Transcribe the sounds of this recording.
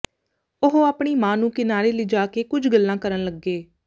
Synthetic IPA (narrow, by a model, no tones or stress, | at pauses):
ʊɦoaːpɳ̃iːmãːnũːkɪnaːɾeːlɪd͡ʒaːkeːkʊd͡ʒʱɡəlːãːkəɾənləɡːeː